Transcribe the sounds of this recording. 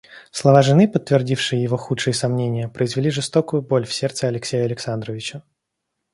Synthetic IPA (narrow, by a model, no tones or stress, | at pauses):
slˠɐvaʐɨnɨpət̪ːvʲɪrdʲifʂɨjəjɪvo̞xutʂɨjəsɐmnʲenʲɪjəpɾʔəɪzvʲɪlʲiʐɨst̪o̞kʊjʊbo̞lʲfsʲe̞rt̪səɨɐlʲɪksʲejəɐlʲɪksand̪ɾəvʲɪt͡ɕə